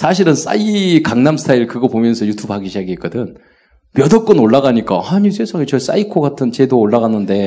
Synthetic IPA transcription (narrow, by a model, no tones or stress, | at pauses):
sʰaɕ̬ʰiɾɯns͈a̰ikaŋnamsʰɯ̥tʰaiɭkɯɡʌpomjʌnsʰʌjutʰubhaɡiɕʰiaɡiɦek͈ʌdɯn | mjʌdʌk͈ɯnoɭːaɡaɲik͈a̰haɲisʰe̞sʰaŋet͡ɕʌs͈a̰ikʰoɡatʰɯnt͡ɕe̞doːɭːaɣanɯnde̞